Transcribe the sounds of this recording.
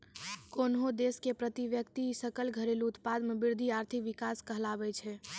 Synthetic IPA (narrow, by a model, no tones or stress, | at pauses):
konɦod̪eskepɾət̪iʋjəkt̪isəkəlɡʱəɾeluut̪pad̪mebiɾd̪ʱiaɾt̪ʰikʋikaskəɦlabɛt͡ʃʰɛ